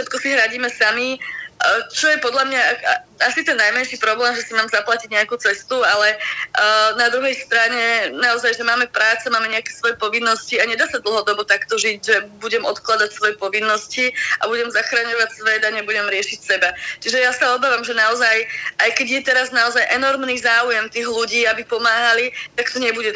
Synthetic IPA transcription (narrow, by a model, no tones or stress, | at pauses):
ʃɛt̪̚kɔsiɦɾaɟiːmɛsami | t͡ʃɔjɛpɔd̪lamɲaasit̪ɛnːajmɛnʃipɾɔblɛːmʒɛsimaːmzaplaciɟɲɛakut͡sɛst̪ualɛ | nad̪ɾuɦɛjst̪ɾaɲɛnaɔzajʒɛmaːmɛpɾaːt͡sɛmaːmɛɲɛakɛsʋɔjɛpɔʋinːɔsciaɲɛd̪aːsad̪l̩ˠɦɔd̪ɔbɔt̪akt̪ɔʒiɟʒɛbuɟɛmʔɔt̪klad̪acsʋɔjɛpɔʋinːɔsciʔabuɟɛmzaxɾaɲɔʋacsʋɛd̪aɲɛbuɟɛmɾɪɛʃicsɛbat͡ʃiʒɛjasaɔbaːʋamʒɛnaɔzajajkɛɟjɛt̪ɛɾaznaɔzajʔɛnɔɾmniːzaːujɛmt̪iːɣluɟiːabipɔmaːɦalit̪akt̪ɔɲɛbuɟɛ